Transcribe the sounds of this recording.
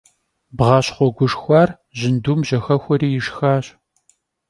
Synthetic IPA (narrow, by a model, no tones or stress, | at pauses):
bʁɑːɕχʷɔɡʷʊʂxʷɑːr | ʑɪnduːmʑɐxɐxʷɔɾiːjɪʂxaːɕ